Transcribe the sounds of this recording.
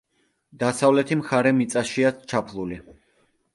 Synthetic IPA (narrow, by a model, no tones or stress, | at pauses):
d̪̥asavlɛt̪ʰimχaɾɛmit̪sʼaʃiat͡ʃʰapʰlˠuli